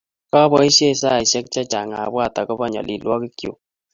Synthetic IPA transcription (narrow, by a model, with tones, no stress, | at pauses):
ka˦bɔ˦i˦se˦˨sa˦˨i˨sjɛ˦k̚t͡ʃa˦t͡ʃa̰˨ŋa˨bwa˦˨ta˨kɔ˦ba˦˨ɲa̰˨lʔḭ˨lwɔ˦ki˦kjo̰˨